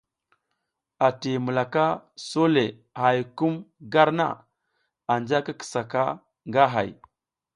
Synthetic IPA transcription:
a˨ti˨mu˨la˨ka˦so˦le˨ | ha˨jku˦mɡa˦ɾna̰˦˨ | a˨nd͡ʒa˦ka˦kə̥˨sa˨ka˦ | ŋɡa˦ɦa̰˨j

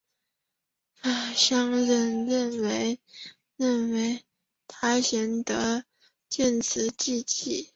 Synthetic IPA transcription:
fa˥˩ɕjɑ˥ŋɻə˧˥nɻə˥˧˩nwe˧˥ɪ | ɻə˥˩nwe˧˥ɪ | t̪ʰa˥ɕjɛ˧˥nt̪ɤ˧˥ | t͡ɕjɛ˥˩nt͡sʰɹ̩˧˥t͡ɕi˥˧t͡ɕi˥˩

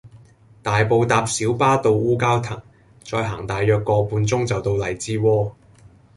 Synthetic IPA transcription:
t̪aː˨jpo˨˧wt̪aː˨˧p̚siː˨˥wpaː˥t̪o˧wuː˥kaː˥wt̪ʰɐ˨˩ŋ | t͡sɔː˧jɦa̰ː˨˩ŋt̪aː˨jːœː˧kːɔː˧puː˧nt͡sʊ˥ŋt͡sɐ˨wt̪o˧wlɐ˨˩jt͡siː˥wɔː˥

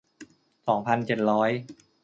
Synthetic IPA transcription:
sɔː˩˦ŋpʰa˧nt͡ɕe˨˩t̪̚ɾɔː˦˥j

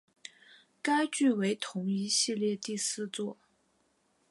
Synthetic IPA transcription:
ka˥ɪt͡ɕy˥˩we˧˥ɪt̪ʰʊ˧˥ŋi˧˥ɕi˥˧ljɛ˥˧t̪i˥˧sɹ̩˥˧t͡swɔ˥˩

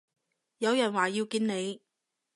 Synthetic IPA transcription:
jɐ˨˧wjɐ˨˩nwaː˨ji˧wkiː˧nne˨˧j

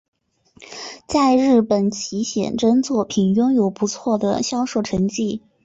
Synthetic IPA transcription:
t͡sa˥˧ɪɻɻ̩˥˩pə˨˩nt͡ɕʰi˧˥ɕjɛ̰˨˩nʈ͡ʂə˥nt͡swɔ˥˩pʰi˨˩njʊ˥ŋjo˨˩ʊpu˧˥t͡sʰwɔ˥˩d̪ə̰˩ɕjɑ˥ʊʂo˥˩ʊʈ͡ʂʰɤ˧˥ŋt͡ɕi˥˩

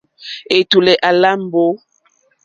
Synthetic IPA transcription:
e˨tu˨lɛ˨ʔa˨la˦m˦bo˦

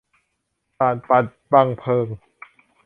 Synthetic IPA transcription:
saː˨˩n̚pa˨˩t̪̚ba˧ŋpʰɤː˧˩ŋ

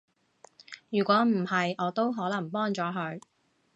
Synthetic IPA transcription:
jyː˨˩kʷɔː˨˥m̩˨˩hɐ˨jʔɔː˨˧˥t̪o˥wɦɔː˨˥lɐ˨˩ŋpɔː˥ŋt͡sɔː˨˧˥ɦɵ˨˧˥ɥ

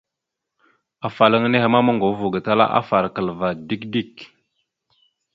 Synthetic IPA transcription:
a˨fa˨lə˦ŋ˦ne˦he˨ma˦ma˦ŋɡo˨˦vu˨ɡa˨ta˦la̰˦ʔa̰˦fa˨ɾa˨kə˨lva˨di˦kdi˦˨k

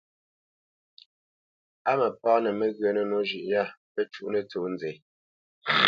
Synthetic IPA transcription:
a˦mə˨pɔː˦nɛ˨mə˦˨ɣɰə˨nə˨no˦ʒʉ˨ʔja˦˨pə˦t͡ʃu˦ʔnə˨t͡soː˨n˦d͡ze˨

